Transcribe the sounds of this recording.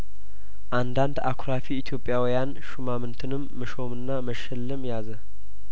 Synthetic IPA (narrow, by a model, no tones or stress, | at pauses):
ʔand̪and̪a̰kʰuɾafiːt̪ʰjo̞pʼjawijan | ʃumamɨnt̪ʰɨnɨmːɨʃo̞mɨnːaməʃɛlːɨmjazə